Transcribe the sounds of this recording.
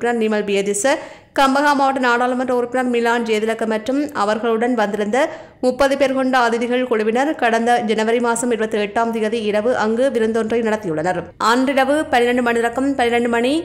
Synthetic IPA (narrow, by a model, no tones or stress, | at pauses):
ɪnɐɾnɪmɐlbɪjɐðɪsɐ | kɐmbɐɣaːmaːʋɐʈːɐnaːɽaːlɐmɐndrɐʊɾɯpːɪnɐɾmɪlːaːnd͡ʒeːðɪlɐkːɐmɐʈrɯmɐ̰ʋɐɾɣɐɭɯɽɐnʋɐnd̪ɪɾɯnd̪ɐ | mʊpːɐðɯpeːɾkɔɳɖɐɐːðɪðɪɣɐɭkɔɻɯʋɪnɐɾkɐɽɐnd̪ɐd͡ʒɛnɐʋɐɾɪmaːsɐmɪɾɯbɐt̪ːɯɛʈːaːmt̪ɪɣɐðiɪɽɐʋɯʔɐŋɡɯʋɪɾɯnd̪ɔndrɐɪnɐɽɐt̪ːɪjɯɭːɐnɐɾʔɐːndrɪɽɐʋɯpɐnɪɾɐɳɖɯmɐɳɪɾɐkːɐmpɐnːɪɾɐɳɖɯmɐɳi